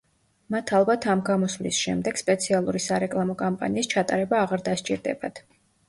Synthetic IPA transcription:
mat̪ʰalˠbat̪ʰamɡamɔsvlisʃɛmd̪ɛɡ̥spʼɛt̪sʰialˠuɾisaɾɛkʼlˠamɔkʼampʼa̰niːst͡ʃʰat̪ʼaɾɛbaːʁaɾd̪ast͡ʃʼiɾd̪ɛ̰bat̪ʰ

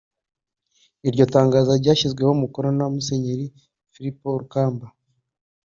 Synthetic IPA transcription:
iɾɟo̞taːŋɡaːzaɾɟaːʃizɡwe̞homukoɾo̞namuse̞ɲeɾi | fiɾipoɾukaːmba

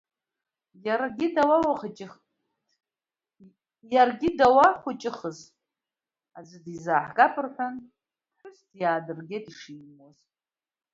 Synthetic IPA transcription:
jaɾaɡʲɪdawawaχat͡ʃʼɪ | jarɡʲɪdawaχʷʊt͡ʃʼɪχəz | ad͡zʷɨdizaːħɡʼapʰʼɨrħʷᶣan | ħʷᶣʊstʰjaːdɨrɡʲetʼiʂiːoz

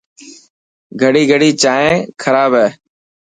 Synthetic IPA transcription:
ɡʱəɽiːɡʱəɽiːt͡ʃaːɦẽːkʰəɾaːbɦɛː

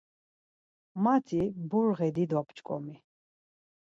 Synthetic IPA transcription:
mat̪ʰibuɾʁɛd̪id̪wapt͡ʃʼkʼɔ̰mi

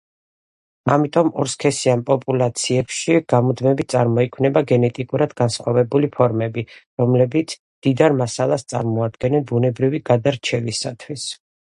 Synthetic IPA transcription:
amit̪ʼɔmɔɾskʰɛsianpʼɔpʼulˠat̪sʰiɛpʃiɡ̥amud̪mɛbit̪̚sʼaɾmɔikʰwnɛbaɡɛnɛt̪ʼikʼuɾad̪ɡansχwavɛbulipʰɔɾmɛbiɾɔmlɛbit̪sʰ | md̪̥id̪aɾmasalˠast̪sʼa̰ɾmɔad̪̚ɡɛnɛnbunɛbɾiviɡad̪aɾt͡ʃʰɛvisat̪ʰwis

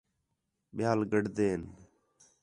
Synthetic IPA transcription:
ɓjaːlɡəɖd̪eːn

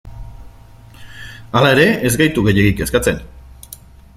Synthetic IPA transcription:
alae̞ɾe̞ezɡajt̪uɣe̞je̞ɣike̞skat͡sen

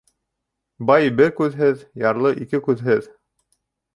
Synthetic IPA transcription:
bɑjbɘɾkʉðɦɘðjɑɾlˠɤʔikɘkʉðɦɘð

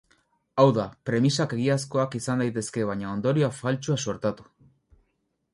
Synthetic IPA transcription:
awðapɾe̞misake̞ɣiasko̞akisand̪ajt̪e̞ske̞β̞aɲao̞nd̪o̞ɾiafalt͡ʃuaso̞ɾt̪at̪u̥

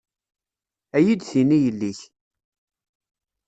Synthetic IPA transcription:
æjid̪θinijəlːiç

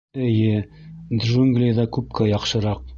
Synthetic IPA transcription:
ɘ̆jɘd̪ʒuŋɡlʲiðɑkʉp̚kæjɑqʃɤ̆ɾɑq̚

